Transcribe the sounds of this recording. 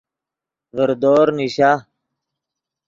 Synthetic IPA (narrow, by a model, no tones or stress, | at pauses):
ʋəɾd̪oːɾniɕaː